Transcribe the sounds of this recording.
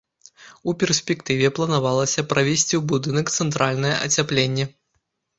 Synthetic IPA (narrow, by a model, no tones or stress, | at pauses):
upʲɛrsʲpʲɛkt̪ɨvʲɛplˠɐnavalˠɐsʲɐpɾavʲɛsʲt͡sʲiwbud̪ɨnɐkt̪sɛnt̪ɾalʲnɐjɛ̰ʔɐ̰t͡sʲaplʲenʲːɛ